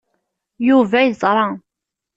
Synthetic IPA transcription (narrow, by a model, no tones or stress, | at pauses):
juvæjzˤɾˤɑ